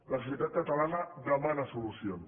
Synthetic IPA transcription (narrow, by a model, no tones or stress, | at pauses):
lasu̥s̬jət̪at̪̚kat̪alanaðəmanasulusion